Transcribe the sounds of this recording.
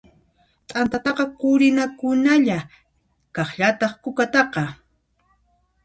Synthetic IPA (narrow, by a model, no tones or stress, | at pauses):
t̪ʼant̪at̪ɑqɑkʊɾɪnakʊnaʎa | kɑχʎat̪ɑχkʊkat̪ɑqɑ